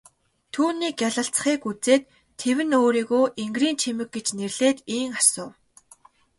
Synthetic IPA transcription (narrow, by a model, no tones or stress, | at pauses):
t̪ʰuːniːkjaɮə̆ɬt͡s̆χiːkut͡seːt̪ʰː | ewɘ̆noːɾiːɣoːʔeŋɡriːnt͡ɕʰemɘ̆k̚ɡet͡ɕnerɮeːt̪iːŋḁsʊː